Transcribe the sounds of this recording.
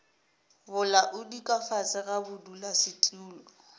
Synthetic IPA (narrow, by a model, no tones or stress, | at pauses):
bʊlaʔʊdikʼafat͡sʼɪɣabʊdulasɪtʼnuːlɔɔ